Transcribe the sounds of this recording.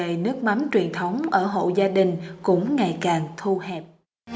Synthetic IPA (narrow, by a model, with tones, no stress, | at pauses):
e˧˨nɨ˦˥ək̚ma˨˦mt͡ɕwi˨˩ənt̪ʰə˨˦wŋ͡mʔəː˧˩ɦo̰˧˨zaː˧ɗï˨˩ŋ̟kʊ̰˧˥ŋ͡mŋa˨˩jkaː˨˩ŋt̪ʰu˧hɛ˨˩p̚